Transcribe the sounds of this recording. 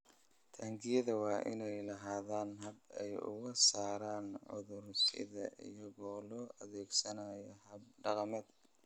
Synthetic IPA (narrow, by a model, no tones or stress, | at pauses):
t̪ʰaːŋɡʰɪjɐðɐwɑːʔɪ̰nɛjlɐɦaːðaːnɦɐbɛjʊ̰ɣɐsaːɾaːnʕʊ̰ðʊrsɪ̰ðɐʔḭjɐɣɔːlɔːʔɐðɛːɡsɐnɐjɔhɐb̚ɖɑqɑmɛːd̪